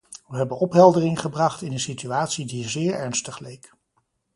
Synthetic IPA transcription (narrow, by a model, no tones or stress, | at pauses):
ʋəɦɛbənɔpɦɛlˠdərɪŋχəbrɑχtɪnənsityaːtsidizɪːɹɛɹnstəχlejk